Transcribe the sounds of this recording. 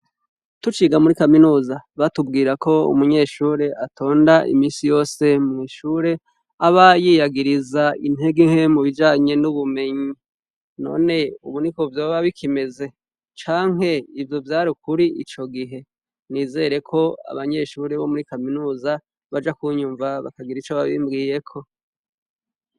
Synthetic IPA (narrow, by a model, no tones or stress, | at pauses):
tut͡ʃiːɡamuɾikaminuːzaβatubɡiːɾakʰo̞ṵmuɲe̞ːʃuːɾe̞ʔatʰo̞ːndaʔḭmiːnsijo̞ːse̞mŋiːʃuːɾe̞ | aβajijaɡiɾizaḭnheɡiŋhemuβid͡ʒaːɲe̞nuβume̞ɲi | no̞̰ːne̞ṵβunikovjoːβaβikʰime̞ze̞ | t͡ʃaːŋɦe̞ivjo̞vjaːɾukuɾiʔḭt͡ʃo̞ɡiɦe̞ | niːze̞ɾe̞kʰo̞a̰βaɲe̞ʃuːɾe̞βo̞muɾikaminuːza | βad͡ʒakuɲuːɱvaβa̰kaɡiɾit͡ʃoβaβiːmbɡiːje̞kʰo̞